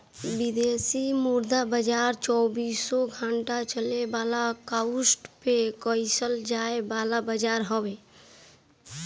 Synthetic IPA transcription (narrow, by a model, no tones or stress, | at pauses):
bid̪esimuɾd̪abəd͡ʒaːɾt͡ʃɔːbiːsːɔɡʱaɳʈat͡ʃəlebaːlakausʈpekɔɪsəld͡ʒaebaːlabəd͡ʒaːɾɦəwe